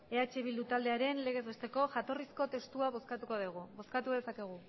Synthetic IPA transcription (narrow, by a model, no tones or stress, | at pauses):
e̞at͡ʃe̞β̞ild̪ut̪ald̪e̞aɾe̞nle̞ɣ̞e̞zβest̪e̞ko̞ʝat̪o̞risko̞t̪e̞st̪uaβo̞skat̪uko̞ðeɣ̞uβo̞skat̪uðe̞sake̞ɣ̞u